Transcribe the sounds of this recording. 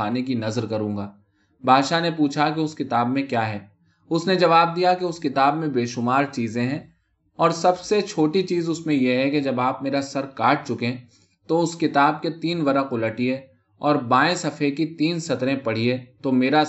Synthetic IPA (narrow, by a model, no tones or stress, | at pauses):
aːnekinɐzəɾkɐɾũːŋɡaː | baːʃanepuːt͡ʃʰakeʊskɪt̪aːbmẽkjaːɦɛː | ʊsned͡ʒɐʋaːb̚d̪ijakeʊskɪt̪aːbmẽbeːʃʊmaːɾt͡ʃiːzẽɦɛ̃ː | ɔːɾsɐbset͡ʃʰoːʈit͡ʃiːzʊsmẽjeɦɛked͡ʒɐbaːpmeːɾasɐɾkaːʈ̚t͡ʃʊkẽ | t̪oʊskɪt̪aːb̚ket̪iːnʋɐɾəqʊləʈie | ɔːɾbãːeɪ̃sɐfʰekit̪iːnsɐt̪ɾẽpɐɽ̤iet̪omeːɾa